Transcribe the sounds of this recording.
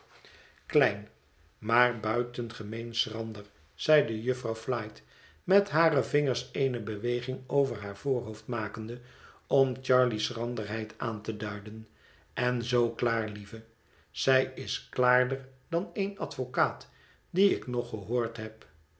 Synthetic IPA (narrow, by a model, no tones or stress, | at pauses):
klɛjn | maːɹbœɥtənχəmejnsrɑndəɹ | z̥ɛjdəjɵfrɑwflɑjt | mɛtɦaːɾəvɪŋəɹsejnəbəʋejχɪŋowvəɹɦaːɹv̥oːɹɦowftmaːkəndə | ɔmt͡ʃɑɹlisrɑndəɹɦɛjtaːntədœɥdən | ɛnzowklaːɹlivə | z̥ɛjɪsklaːɹdəɹdɑnejnɑtfokaːt | diɪknɔχəɦoːɹtɦɛp